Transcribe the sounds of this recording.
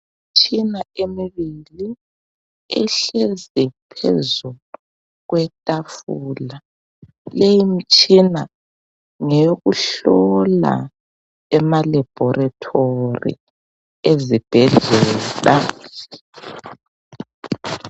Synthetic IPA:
mit͡ʃʼʰinaemiβili | ɛ̰ɬezɛpʰḛzu | ɣwɛtʼafuːla | lejimit͡ʃʼina | ŋeɣuɬɔla̰ | ɛmalab̥ʱɔratʰorḭ | ezib̥ʱɛɮɛːla

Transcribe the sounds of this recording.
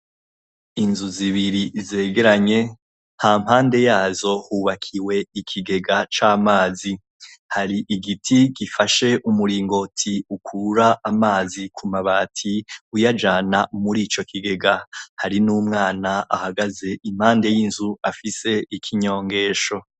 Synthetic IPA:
inzuziβiɾize̞ːɡe̞ɾaɲe̞ | haːm̥haːnde̞jaːzo̞huːβakʰiwe̞ikʰiɡe̞ɡat͡ʃaːmaːzi | haɾiʔiɡitʰiɡifaʃe̞ʔumuɾiːŋɡo̞tʰiukʰuɾaʔːmaːzikʰumaβaːtʰiujad͡ʒaːnamuɾiːt͡ʃo̞kʰiɡe̞ɡahaɾinuːmŋaːnaʔahaɡaze̞ʔim̥haːnde̞jinzuafise̞ikʰiɲo̞ːŋɡe̞ːʃo̞

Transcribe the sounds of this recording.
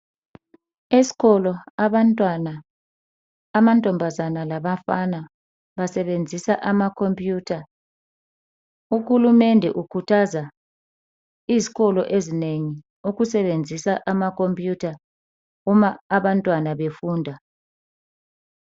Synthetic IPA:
esi̥kɔlɔaβantʼwana | mantʼɔmbʱazanalaβafana | βasɛβend͡zʱisaʔamakʰompʼjuːtʰa | uxulumɛndʱɛ̰ʔukʰutʰaza | izikɔlɔʔezineŋi | uɣusɛβend͡zʱisaʔamakʰompʼjutʰa | umaːβantʼwanaβefuːndʱa

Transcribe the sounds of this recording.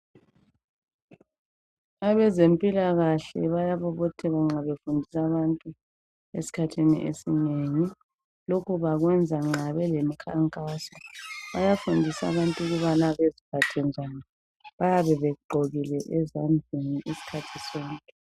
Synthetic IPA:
aβɛzempʼilaɣaɬɛ̰βajaβɔβɔtʰɛɣaŋ͡ǁaβefundʱisaβantʼu | esi̥kʰatʰinḭʔḛsineŋi | lokʰuβaɣwɛnd͡zʱaŋ͡ǁaβɛlemikʰaŋkʼasɔβajafundʱisa̰βantʼuɣuβanaβezipʰatʰɛnd͡ʒʱani | βajaβɛβɛuɡ͡ǃʱoɣilɛʔɛzamd͡ɮʱeniʔisi̥kʰatʰisɔːŋkʼɛ

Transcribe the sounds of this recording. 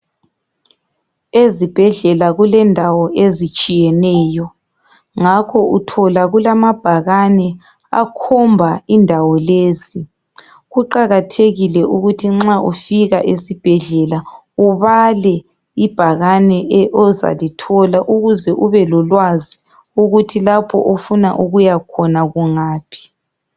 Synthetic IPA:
ezib̥ʱɛɮɛlaɣulɛndʱawɔʔezit͡ʃʼijɛnɛːjɔ | ŋakʰɔʔutʰɔlaɣulamab̥ʱaɣanɛ | a̰kʰɔmbʱaindʱawɔleːsi | ɣuǃaɣatʰeɣilɛʔuɣutʰiŋ͡ǁaʔufiɣaʔesib̥ʱɛɮɛla | uβalɛ | ib̥ʱaɣanɛʔɛʔɔza̰litʰɔlaʔuɣuzɛʔuβɛlɔlwazi | uɣutʰilapʰɔ̰ʔofuna̰ʔuɣujakʰɔnaɣuŋaːpʰi̥

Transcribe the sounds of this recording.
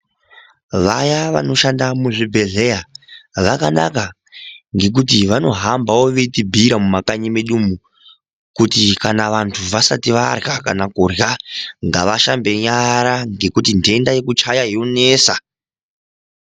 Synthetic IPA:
ʋajaʋa̰no̞ʃandamuʐibʱe̞ɮe̞jaʋakana̰ka | ŋɡe̞k̬ut̬iʋano̞ɦambawo̞ʋetibʱiɾamumakaɲimeɗumu | kutikanaʋantʰuʋasatiʋarɣakanakurjaŋɡaʋaʃambe̞ɲaɾaŋɡe̞kutinde̞ndaje̞kut͡ʃajaɦijo̞ne̞ːsa

